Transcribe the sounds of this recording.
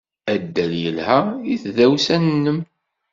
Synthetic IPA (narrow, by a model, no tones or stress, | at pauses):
æd̪ːæljəlhæiθðæwsænənːəm